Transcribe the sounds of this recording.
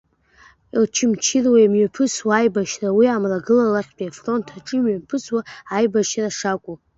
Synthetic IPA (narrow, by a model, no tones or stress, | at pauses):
ilt͡ʃʰɪmt͡ʃʰɪrwaimɥapʰɨswaːjbaʃrawiamraɡɨlalaχʲpʼiafro̞ntʰaʈ͡ʂʼɨmɥapʰɨswaajbaʃraʂakʷʼu